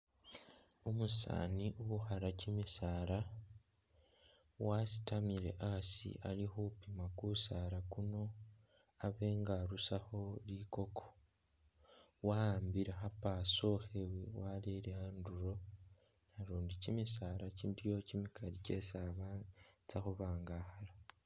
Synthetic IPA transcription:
omusa̰ːniʔuβuxaɾacimisaːɾa | wasi̥tamiɾe̞̰ʔasḭʔalixupimakusaːɾakuno̞ | aβe̞ːŋɡaɾusaxo̞liko̞kʰo | waambiɾexapaso̞xewewaleɾeanduɾo̞ | naɾuːndicimisaɾaciːndijo̞cimikʰaɾice̞saβat͡saxuβaːŋɡaxala

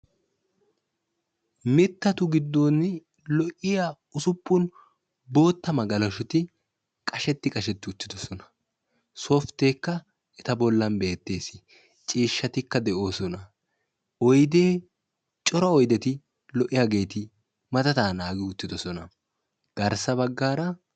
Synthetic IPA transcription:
mɪt̪ːɐt̪ʊɡɪd̪ːo̞ːnːɪ | lɔʔɪja | ʊsʊpːʊn | bo̞ːt̪ːɐmɐɡɐlɐʃʊt̪ɪ | kʼɐʃɛt̪ːɪkʼɐʃɛt̪ːɪʊt̪ːɪd̪ɔsɔnɐ̥ | soːft̪e̞ːkːɐ | ɛt̪ɐbɔlːɐmbe̞ːt̪ːe̞ːsɪ | t͡ʃʼiːʃːɐt̪ɪkːɐd̪ɛʔo̞ːsɔnɐ | ɔjd̪e̞ː | t͡ʃʼɔɾɐɔjd̪ɛt̪ɪ | lɔʔɪjaɡe̞ːt̪ɪ | mɐt̪ɐt̪aːnaːɡɪʊt͡ʃːɪd̪ɔsɔnɐ̰ | ɡ̥ɐɾsɐbɐɡːaːɾɐ

